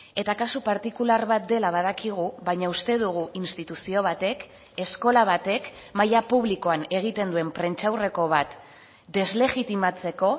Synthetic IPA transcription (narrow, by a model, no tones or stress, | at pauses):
e̞t̪akasupaɾt̪ikularβat̪̚d̪e̞laβ̞að̞akiɣ̞uβajɲaust̪e̞ðuɣ̞uʔinst̪it̪usio̞β̞at̪e̞k | e̞sko̞laβ̞at̪e̞kmajapuβliko̞ane̞ɣ̞it̪e̞nd̪ue̞mpɾe̞nt͡ʃawre̞ko̞βat̪ | d̪e̞zle̞ɣit̪imat͡se̞ko̞